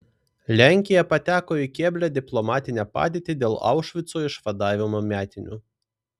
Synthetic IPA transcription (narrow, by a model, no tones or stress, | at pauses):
lʲæˑŋʲkʲɪjɛpɐt̪ʲæːkoːɪkʲeːbʲlʲæd̪ʲɪplˠɔmɑːt̪ʲɪnʲæpɑ̰ːd̪ʲeːt̪ʲid̪ʲeːlˠɑ̰ˑʊʃʲʋʲɪt̪soːɪʃʋɐd̪ɑːʋʲɪmoːmʲæːt̪ʲɪnʲṵː